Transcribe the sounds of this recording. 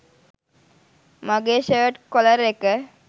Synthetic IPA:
maɡeːʃeʋəʈkoləɾekə

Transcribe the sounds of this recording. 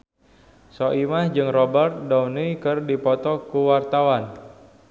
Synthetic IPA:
sɔʔimahd͡ʒɨŋrɔbərt̪̚dɔunikɨrdipɔt̪ɔkuwart̪awan

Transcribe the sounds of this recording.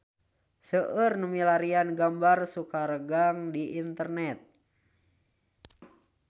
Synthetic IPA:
səʔərnəmilaɾianɡambarsukaɾəɡaŋdiʔint̪ərnɛt̪̚

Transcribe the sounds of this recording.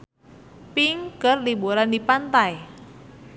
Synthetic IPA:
piŋkərlibuɾandipant̪aj

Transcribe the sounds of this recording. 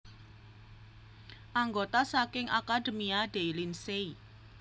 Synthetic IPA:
ʔaŋɡot̪asakɪŋakaɖə̤miad̥elinsei

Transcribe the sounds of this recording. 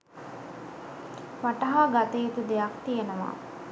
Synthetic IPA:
ʋaʈɐɦaɡat̪eet̪ud̪ejakt̪ijenəʋa̰ː

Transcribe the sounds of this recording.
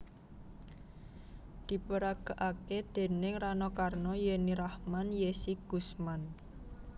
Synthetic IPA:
d̪̥i̤pəɾaɡ̥a̤ʔaked̪̥e̤nɪŋranɔkarnɔjeniɾahmanjesiɡ̥ṳsman

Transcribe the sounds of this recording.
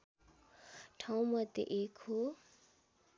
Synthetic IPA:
ʈʰaw̃mʌd̪jḛʔekho

